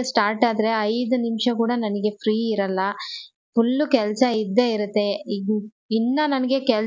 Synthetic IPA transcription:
sʈaːɾʈaːd̪ɐɾe̞ɐjd̪unimʂɐkuːɽɐnɐnɐɡe̞fʰɾiːiɾɐlːɐ | pulːukɛlɐsɐid̪ːe̞ːiɾut̪ːe̞i | inːɐnɐnɐɡe̞kɛl

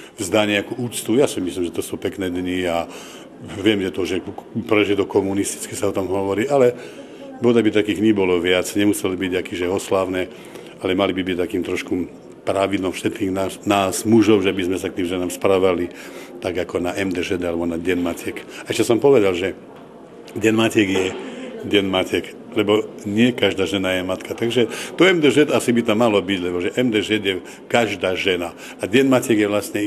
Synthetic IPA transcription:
vzd̪aɲɛakuːuːt͡st̪ujasimislimʒɛt̪ɔsupɛknɛːd̪ɲia | ʋɪɛmʒɛt̪ɔʒɛpɾɛʒɛd̪ɔkɔmunist̪i̥t͡skisaɔt̪ɔmɦɔʋɔɾiːʔalɛ | bɔd̪abit̪akiːɣɲibɔlɔʋɪad͡zɲɛmusɛlibiɟakiʒɛɔslaːʊnɛː | alɛmalibibic̚t̪akiːmt̪ɾɔʃku | pɾaʋid̪lɔmfʃɛt̪kiːɣnanaːzmuʒɔʊʒɛbizmɛsakt̪iːmʒɛnaːmspɾaːʋali | t̪aɡakɔnaʔɛmd̪ɛʒɛd̪alɛbɔnaɟɛnmacɛkaɛʃcɛsɔmpɔʋɛd̪alʒɛ | ɟɛnmacɛɡjɛɟɛnmacɛk | lɛbɔɲɪɛkaʒd̪aːʒɛnajɛmat̪kat̪aɡʒɛt̪ɔɛmd̪ɛʒɛd̪asibit̪amːalɔbiɟlɛbɔʒɛʔɛmd̪ɛʒɛd̪jɛ | kaʒd̪aːʒɛna | aɟɛnmacɛɡjɛʋlasɲɛ

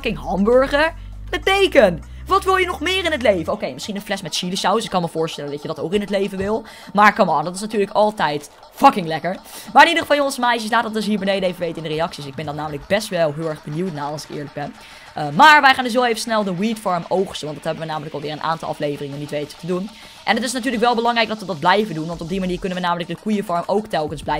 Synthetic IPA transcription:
kɪŋɦɑmbøɹχəɹ | nədejkən | ʋɑtʋɪlˠjənɔχmɪːrɪnətlejvənowkejmɪsχinənflɛsmɛtʃiləʃawsɪkːɑnməvʊːɹstɛləndɑtcjədɑtowkɪnɦətlejvənʋɪlˠ | maːɹkɑmɔːndɑtɪ̥snatyːɹləkɑlˠtɛjt | fɑkɪŋlɛkəɹmaːɹɪnidəχəvɑlˠjɔ̃ŋəsəmajʃəslaːtətdɵsɦiːɹbɛjnejdəejvəʋejtəɪndərejɑksisɪɡ̚bɛndɑnaːmələɡ̚bɛstʋɛlˠɦɪlˠɛɹχbəniwtnaɑlˠsɪ̥kɪ̰ːɹləɡ̚bɛn | əmaːɹʋɛjχaːndɵs̬ɦowejvəsnɛlˠdəwitfɔɹmowχstəʋɑntd̥ɑtɦɛbənʋənaːmələkɑlˠʋɪːɹənʔa̰ːntɑlˠɑ̰flejvərɪŋənːitʋejtə̥tədun | ʔɛnətɪs̬natyːɹləkʋɛlˠbəlɑŋrɛjɡ̚dɑtʋədɑt̚blɛjvədunʋɑntɔbdimaniːɹkɵnənʋəjnaːmələk̚dəkujəfɔɹmowktɛlˠkənzblɛj

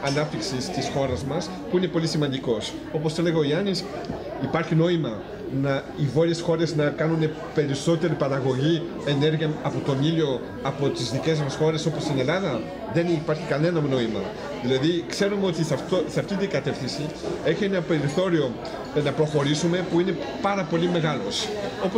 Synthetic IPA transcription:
ɐnɐp̚t̪iksist̪isxo̞ɾɐzmɐs | puine̞po̞lisimɐnd̪iko̞s | o̞posθele̞ɣɐoiɐnis | ipɐɾçino̞imɐ | nɐ | ivo̞ɾiesxo̞ɾe̞znɐkɐnune̞ | pe̞ɾiso̞t̪e̞ɾipɐɾɐɣo̞ʝi | e̞ne̞ɾʝiɐɐpo̞t̪o̞nilio̞ | ɐpo̞t̪izðice̞zmɐsxo̞ɾe̞so̞post̪ine̞lɐðɐ | ðe̞nipɐɾçikɐne̞nɐno̞imɐ̰ | ðilɐðikse̞ɾumeo̞t̪iɐt̪osɐft̪it̪iŋɡɐt̪e̞fθinsi | e̞çienɐpe̞ɾiθo̞ɾio̞ | nɐpɾo̞xo̞ɾisume̞puine̞ | pɐɾɐpo̞lime̞ɣɐlo̞so̞po

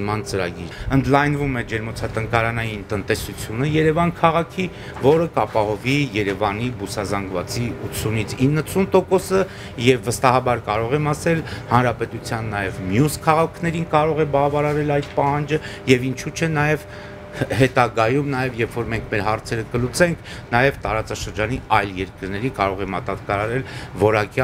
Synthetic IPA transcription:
mɑnt͡səɾɑ̰ɡḭɾənd̪lɑjnvumɛd͡ʒɛɾmɔt͡sʰɑt̪əŋkɑɾɑnɑjint̪ənt̪ɛsut͡sʰjunəjɛɾɛvɑnkʰɑʁɑkʰi | vɔɾəkɑpɑhɔvijɛɾɛvɑn̪ibusɑzɑŋɡvɑt͡siut̪sʰunit͡sʰinːəsʰunt̪ɔkɔsə | jɛvːəst̪ɑɦɑbɑɾkɑɾɔʁɛmɑsɛlhɑnɾɑpɛt̪ut͡sʰjɑnːɑjɛvmjuskʰɑʁɑkʰnɛɾinkɑɾɔʁɛbɑvɑɾɑɾɛlɑjt̪̚pɑhɑnd͡ʒəjɛvint͡ʃʰut͡ʃʰɛnɑjɛv | hɛt̪ɑɡɑjumnɑjɛvjɛfɔɾmɛŋkʰmɛɾɦɑɾt͡sʰɛɾəkəlut͡sɛŋkʰ | nɑjɛvt̪ɑɾɑt͡sɑʃəɾd͡ʒɑniɑjljɛɾkəɾnɛɾinkɑɾɔʁɛmɑt̪ɑt̪kɑɾɑɾɛlvɔɾɑkjɑ

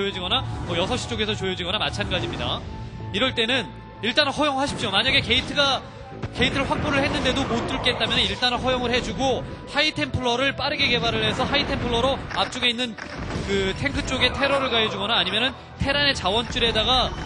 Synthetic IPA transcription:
ojod͡ʑiɡʌnamʌjʌsʰʌɕ͈i̥t͡ɕ͈oɡe̞sʰʌt͡ɕojod͡ʑiɡʌnamat͡ɕʰanɡad͡ʑimɲida̰ | iɾʌɭt͈e̞nɯn | iɭt͈anɦʌjoŋɭɦaɕʰi̥p̚ɕ͈omaɲaɡe̞ke̞itʰɯɡa | ke̞itʰɯɭɸwak̚p͈oɾɯɭhe̞nːɯnde̞domot͈uɭk͈et͈̚amjʌneiɭt͈anɦwʌjoŋɯɭhe̞d͡ʑuɡo | haitʰe̞mpʰɯɭːʌɾɯɭp͈aɾɯɡeke̞baɾɯɭɦe̞sʰʌɦaitʰe̞mpʰɯɭːʌɾoap̚t͡ɕ͈uɡe̞inːɯn | kɯtʰe̞ŋkʰɯt͡ɕ͈oɡe̞tʰe̞ɾʌɾɯɭɡajed͡ʑuɡʌnaːɲimjʌnɯn | tʰe̞ɾane̞t͡ɕawʌnt͡ɕ͈uɾe̞daɡa

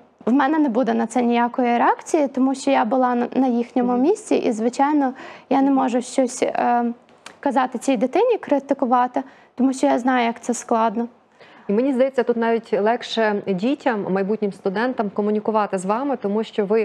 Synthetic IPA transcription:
ʋmɛnɛnɛbud̪ɛnɐt̪sɛnʲijakɔjiɾɛɑkt͡sʲijit̪ɔmuʃt͡ʃɔjabʊlˠɑnɐjixnʲɔmʊmʲisʲt͡sʲiʔḭzʋɪt͡ʃɑjnɔjanɛmɔʒʊʃt͡ʃɔsʲ | kɐzɑt̪ɪt͡sʲijd̪ɪt̪ɪnʲikɾɪt̪ɪkʊʋɑt̪ɪ | t̪ɔmuʃt͡ʃɔjaznɑjʊjɐkt̪sɛsklˠɑd̪nɔ | imenʲizd̪ɐjɛt͡sʲːɐt̪ut̪nɑʋʲitʲlˠɛkʃɛdʲitʲɐmːɐjbutʲnʲɪmst̪ʊd̪ɛnt̪ɐmkɔmʊnʲikʊʋɑt̪ɪzʋɑmɪt̪ɔmuʃt͡ʃɔʋɪ

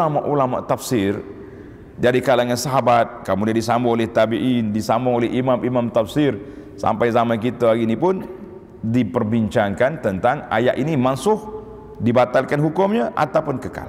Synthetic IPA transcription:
amaʔulama̰ʔt̪afsɪr | d͡ʒadikalaŋansaɦabat̪̚kamudiadisambʊolɛht̪abiʔindisambʊŋolɛhʔimamimamt̪afsɪr | sa̰mpajzamakit̪aaɡinipʊn | dipərbiɲt͡ʃaŋkant̪ənt̪aŋa̰ja̰ʔinimansʊh | dibat̪alkanɦukʊmɲaʔa̰t̪awpʊnkəka̰l

